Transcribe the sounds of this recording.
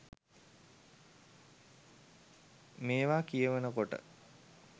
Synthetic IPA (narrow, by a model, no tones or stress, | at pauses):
meːʋaːkijəʋənəkoʈə̰